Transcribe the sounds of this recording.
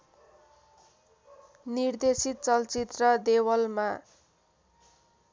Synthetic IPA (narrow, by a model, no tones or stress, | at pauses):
nird̪esit̪̚t͡sʌlt͡sit̪rʌd̪ewʌlma